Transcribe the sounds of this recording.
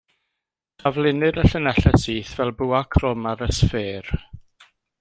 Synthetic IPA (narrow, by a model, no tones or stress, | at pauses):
d̥avlˠɪnɨɾəɬənɛɬɛsiːθvɛlˠbuːakʰrɔmaɾəsfeːr